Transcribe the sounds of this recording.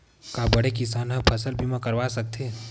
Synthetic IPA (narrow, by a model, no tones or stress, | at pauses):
kabəɽekɪsaːnɦə̃pʰəsəlbʱimãkəɾʋasɐk̚t̪ʰẽː